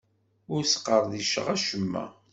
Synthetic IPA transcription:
ʊɾsqːəɾˤðiʃə̰ʁæʃəmːæ̰

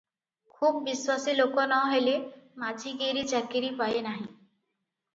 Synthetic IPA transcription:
kʰub̚ːiswasilokonɔɦelemad͡ʒʱiɡeɾit͡ʃakiɾipajenaɦĩ

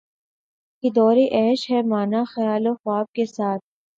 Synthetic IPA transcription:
kid̪ɔːɾiʔɛːʃɦɛmaːnaxɐjaːloxwaːb̚kesaːt̪̚ʰ

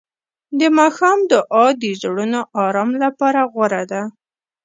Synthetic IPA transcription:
d̪əmɑxɑmd̪əʔɑd̪izɽunoʔɑɾɑmlapɑɾaɣwaɾad̪a

